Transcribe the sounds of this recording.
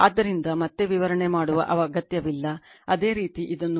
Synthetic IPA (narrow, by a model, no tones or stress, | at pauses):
a̰ːd̪ːɐɾind̪ɐmɐt̪ːe̞ʋiʋɐɾɐɳemaːɽuʋɐ̰ʔɐʋɐɐɡɐt̪jɐʋilːɐɐd̪e̞ːɾiːt̪iʔid̪ɐnːu